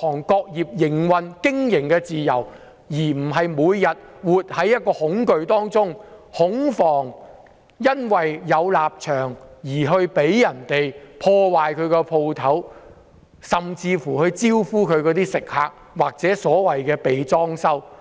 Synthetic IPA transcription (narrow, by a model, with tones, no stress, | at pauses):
ɔː˨˩ŋkɔː˧k̚jiː˨p̚jɪ˨˩ŋwɐ˨˧nkɪ˥ŋjɪ˨˩ŋkɛː˧t͡siː˨jɐ˨˩w | jiː˨˩m̩˨˩ɦɐ˨jmuː˨˧jjɐ˨t̚wuː˨t̚hɐ˨˥jɐ˥t̚kɔː˧hʊ˨˥ŋkɵ˨˧ɥt̪ɔː˥ŋt͡sʊ˥ŋhʊ˨˥ŋfɔː˨˩ŋ | jɐ˥nwɐ˨jːɐ˨˧wlaː˨p̚t͡ʃʰœː˨˩ŋjiː˨˩ɦɵ˧ɥpe˨˥jjɐ˨˩nt̪e˨jpʰɔː˧waː˨jkʰɵ˨˧ɥkɛ˧pʰo˧wt̪ʰɐ˨˥w | sɐ˨mt͡siː˧fuː˨˩hɵ˧ɥt͡siː˥wfuː˥kʰɵ˨˧ɥkɔː˨˧˥t̪iː˥sɪ˨k̚haː˧k̚ | waː˨k̚t͡sɛː˨˥sɔː˨˥wɐ˨jkɛː˧pe˨jt͡sɔː˥ŋsɐ˥w